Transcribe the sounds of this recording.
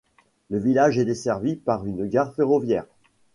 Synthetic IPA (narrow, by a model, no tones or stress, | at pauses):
ləvilaʒɛd̪esɛʁvipaʁynɡaʁfeʁɔvjɛːʁ